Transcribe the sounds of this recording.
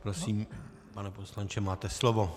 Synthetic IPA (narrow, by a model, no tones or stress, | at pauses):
pɾosiːm | panɛposlant͡ʃɛmaːt̪ɛslovo̞